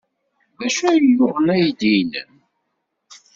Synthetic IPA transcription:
ðæʃæjjʊʁənæjid̪inə̰n

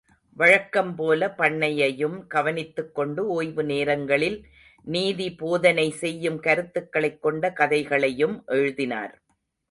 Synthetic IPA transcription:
ʋɐɻɐkːɐmpoːlɐpɐɳːɐjɐjɯmɡ̥ɐʋɐnɪt̪ːɯkːɔɳɖɯoːjʋɯneːɾɐŋɡɐɭɪl | niːðipoːðɐnɐɪsɛjːɯmkɐɾɯt̪ːɯkːɐɭɐɪkːɔɳɖɐkɐðɐɪɣɐɭɐjɯmʔɛɻɯðɪna̰ːɾ

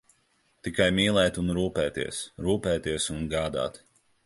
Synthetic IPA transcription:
t̪ikajmiːlˠɛːt̪unɾuːpɛːt̪ḭɛsɾuːpɛːt̪iɛsunɡaːd̪a̰ːt̪

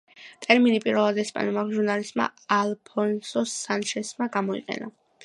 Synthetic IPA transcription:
t̪ʼɛɾminipʼiɾvɛlˠad̪ɛspʼa̰nɛmakʒuɾnalist̪ʼma̰alˠpʰɔnsɔsanʃɛsmaɡamɔḭqʼɛ̰na̰

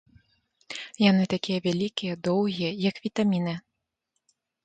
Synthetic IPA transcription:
janɨt̪akʲijɐvʲalʲikʲijɐd̪ɔwɣʲijɐjɐkvʲit̪amʲinɨ

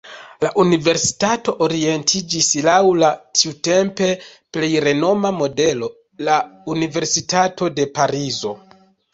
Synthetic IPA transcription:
laʔunive̞ɾsi̥tato̞ʔoɾie̞ntʰid͡ʒislawlatʰiute̞mpe̞ple̞jɾe̞no̞mamo̞de̞lo̞ | launive̞ɾsitato̞de̞paɾizo̞

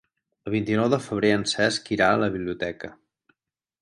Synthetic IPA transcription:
əlˠβ̞int̪inɔwðəfəβ̞ɾeənsɛskiɾaələβiβliut̪ɛkə

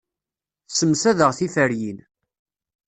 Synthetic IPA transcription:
θsəmsæðəʁθifəɾjin

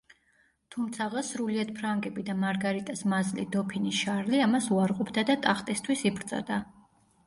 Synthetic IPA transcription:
t̪ʰumt̪sʰaʁasɾuliad̪̥̚pʰɾaŋɡʼɛbid̪amaɾɡaɾit̪ʼasmazlḭd̪ɔpʰiniʃaɾliamasuaɾqʼɔpʰd̪ad̪at̪ʼaχt̪ʼist̪ʰwisibɾt̪sʼa̰d̪a

